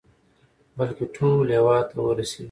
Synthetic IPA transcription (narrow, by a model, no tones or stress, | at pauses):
bɐlkeʈʰuːleːwaːt̪ɐwəɾɐsiːd̪